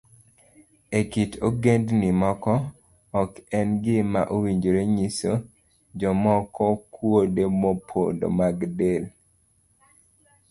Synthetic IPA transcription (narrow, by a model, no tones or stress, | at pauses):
ekitoɡendnɪmɔkɔː | kɛnɡɪma̰ʔowiɲd͡ʒoɾeɲiso | d͡ʒɔmɔkɔkwodemopʰo̰do̰maɡdel